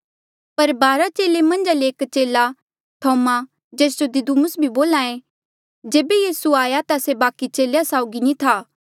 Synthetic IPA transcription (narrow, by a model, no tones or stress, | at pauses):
pɐɾbaːɾat͡ʃeːlemɐ̃nd͡ʒaleeːkt͡ʃeːla | t̪ʰɔːma | d͡ʒeːs̬d͡ʒod̪ɪd̪umʊsbʱiboːlãːẽ | d͡ʒeːbejiːsuaːjat̪asebaːkit͡ʃeːljasaːʊɡinĩt̪ʰaː